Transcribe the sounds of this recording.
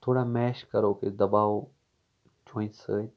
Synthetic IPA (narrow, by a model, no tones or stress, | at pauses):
t̪ʰoːɽamɛːʃkəɾoːked̪ɐbaː | d͡ʒʰõːĩsə